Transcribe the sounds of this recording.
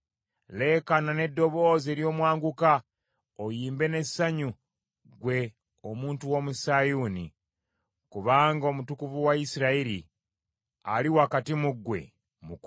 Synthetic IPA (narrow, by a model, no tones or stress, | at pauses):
le̞ːkanane̞dːo̞βo̞ːzeɾjo̞ːmwaːŋɡuka | ojiːmbe̞ne̞sːaɲu | ɡwe̞ | omuːntuwo̞musajuːnḭ | kuβaːŋɡomutukuvuwaisiɾaiɾḭ | a̰liwakatimuɡwe̞̰ | muk